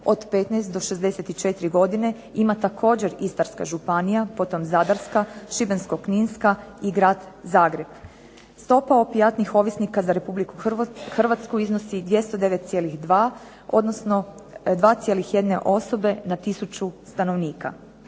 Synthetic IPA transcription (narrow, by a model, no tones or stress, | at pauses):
o̞d̪pet̪najst̪d̪o̞ʃezd̪e̞set̪it͡ʃe̞t̪iɾiɡo̞d̪ine̞ | imat̪akʰo̞ːd͡ʑe̞ɾist̪aɾska̰ʒupanijapo̞t̪o̞mzad̪aɾskaʃibenskokninskaiɡɾaːd̪zaːɡɾe̞b̥ | st̪o̞paopijat̪nixo̞ʋisnikazaɾe̞publikuxr̩ʋat̪skuiznosid̪ʋje̞st̪od̪e̞ʋet̪t̪sje̞ːlixd̪ʋaː | o̞̰d̪no̞sno̞ | d̪ʋaːt̪sje̞lixje̞d̪ne̞ʔo̞so̞be̞nat̪isut͡ʃust̪ano̞ʋniːka̰